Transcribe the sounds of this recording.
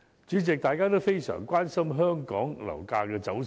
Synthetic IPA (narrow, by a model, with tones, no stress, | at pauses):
t͡ʃyː˨˥t͡sɪ˨k̚t̪aː˨jkaː˥t̪o˥wfe˥jsœ̰ː˨˩ŋkwaː˥nsɐ˥mɦœː˥ŋkɔ̰ː˨˥ŋlɐ̰˨˩wkaː˧kɛː˧t͡sɐ˨˥w